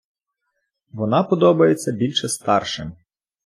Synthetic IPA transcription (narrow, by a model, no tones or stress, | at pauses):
ʋɔnɑpɔd̪ɔbɐjet͡sʲːɐbʲilʲʃɛst̪ɑrʃɪm